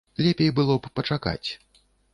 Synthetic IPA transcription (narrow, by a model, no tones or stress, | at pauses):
lʲɛpʲejbɨlˠɔppɐt͡ʂaka̰t͡sʲ